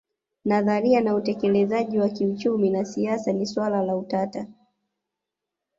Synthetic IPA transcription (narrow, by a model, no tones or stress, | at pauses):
naðaɾianautɛkɛlɛzaʄiwakiut͡ʃuminasiasaniswalalautata